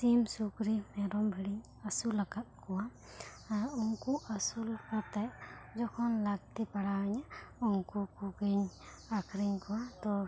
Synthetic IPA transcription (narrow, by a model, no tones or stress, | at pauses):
simsukɾimɛɾɔmbʱiɽiɲ | asulakat̪̚kɔwa | uŋkuʔasulakat̪ajd͡ʒɔkʰɔnlaɡ̚t̪ipaɽawaɲauŋkukuɡiɲ | akʰɾiɲkɔwat̪ɔ